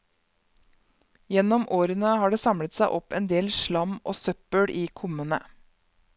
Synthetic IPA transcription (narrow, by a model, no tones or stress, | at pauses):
jɛnɔmʔoːɾənəhɑːɖeːsɑmɽət̪sæɪʔɔpɛːnd̪eːlʃɭɑmʔo̰ːsœpəɽʔiːkʰʊmənə